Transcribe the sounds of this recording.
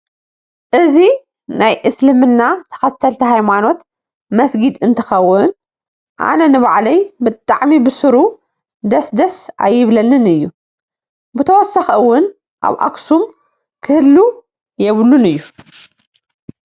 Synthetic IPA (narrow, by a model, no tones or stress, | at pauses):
ʔɨzi | najʔɨslɨmɨnːat̪ʰɐ̥xɐt̪ʰːɐlt̪ʰiɦajmano̞t̪ | mɐsɡid̪ɨnt̪ʰɐ̥xɐwːʊn | ʔa̰nɐnɨβaʕlɐjbɨt̪ʼaʕmibɨsɨɾu | d̪ɐsd̪ɐsa̰jːɪβlɐnɨnɨjːu | bɨt̪ʰɐwɔsaxɐwːʊn | ʔa̰βʔa̰ksum | kʰɨhɨlːu | jɛβlunɨjːu